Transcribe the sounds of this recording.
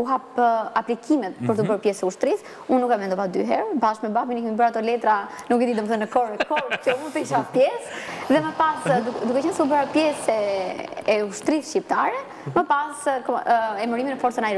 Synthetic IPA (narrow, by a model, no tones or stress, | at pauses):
uɦap̚aplikʰimɛt̪̚pəɾt̪əbəɾpjɛsɛuʃt̪ɾis | unːukamvɛnd̪ɔvad̪y̰ɦɛɾbaʃmɛbapinɛkɛmibəɾat̪ɔlɛt̪ɾanukɛd̪id̪ɔməθənəkɔɾkɔɾ̚cəumut̪ɛiʃ̬appjɛsðɛməpasud̪ukɛt͡ɕɛnsubəɾapjɛsɛ | ɛuʃt̪ɾisʃcip̚t̪aɾɛ | məpaskɔɛməɾiminəfɔɾt͡sənaɛɾ